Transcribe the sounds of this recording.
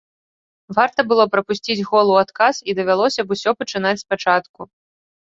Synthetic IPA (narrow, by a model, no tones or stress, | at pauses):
vart̪ɐbɨlˠɔpɾɐpusʲt͡sʲid͡zʲɣɔlˠuat̪kasid̪ɐvʲalˠɔsʲɐbusʲɔpɐt͡ʂɨn̪at͡sʲspat͡ʂat̪ku